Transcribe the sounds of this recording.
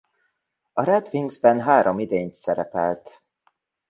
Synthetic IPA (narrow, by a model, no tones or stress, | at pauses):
ɒɾɛd̪viŋɡzbɛnɦaːɾomid̪eːɲt̪sɛɾɛpɛlt̪